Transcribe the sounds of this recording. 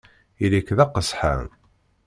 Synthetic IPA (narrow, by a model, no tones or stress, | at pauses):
ilikːðæqːəsħa̰n